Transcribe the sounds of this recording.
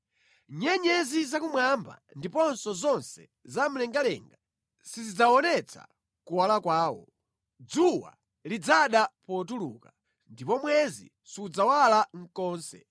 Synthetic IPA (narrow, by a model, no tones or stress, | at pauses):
ɲɛɲɛzizakumwamba̰ndipɔnsɔzɔnsɛ | zam̩lɛŋɡalɛ̰ŋɡa | sizid͡zawɔnɛt͡sʰa̰ | kuwalakwaːwɔ̰ | d͡zuwa̰ | lid͡zaɗapɔt̬ulṵka | ndipɔmwɛzḭ | suud͡zawalaŋ̩kɔːnsɛ̰